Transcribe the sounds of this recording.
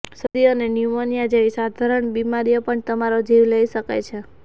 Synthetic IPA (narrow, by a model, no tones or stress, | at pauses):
səd̪iənenjumonijad͡ʒeʋisad̪ʱaɾəɳbimaɾijəpəɳt̪əmaɾod͡ʒiʋləiʃəka̰jt͡ʃʰe